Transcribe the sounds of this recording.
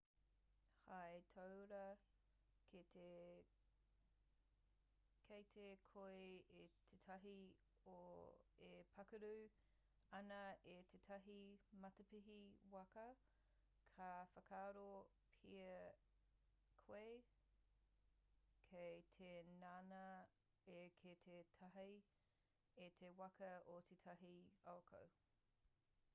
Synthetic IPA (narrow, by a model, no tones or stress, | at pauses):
hajtʰɐwɾɐ | kite | kʰejt̪ʰekʰoeet̪ʰetʰɐɦi | oepʰɐkəɾuː | ɐnɐet̪ʰetʰɐɦimɐtɐpiɦiwɐkɐ | kʰɐfɐkʰaːɾo | pʰiə | kʰwe | kʰejtʰenaːnɐ | ekʰetʰetʰɐɦɐj | etʰewɐkɐotʰetʰɐɦiaokʰɐ̰w